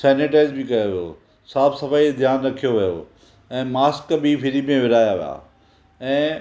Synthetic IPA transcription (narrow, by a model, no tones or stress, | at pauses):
sɛːneʈaːɪzbɪkɐjoʋijo̰ː | saːbsɐfaːid̪ʱjaːnɾɐkʰijoʋijo̰ | ɛ̃ːmaːskbifɪɾimẽʋɪɾaːjaʋḭja̰ː | ɛ̃ː